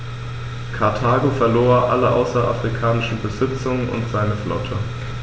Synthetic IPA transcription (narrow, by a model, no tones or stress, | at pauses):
kʰaɐtʰaːɡofɛɐloːɐʔa̰ləʔa̰ʊsɐʔafʁ̥ikʰaːnɪʃn̩bəzɪt͡sʊŋənʊ̰ntz̥aɪnəflɔ̰tʰə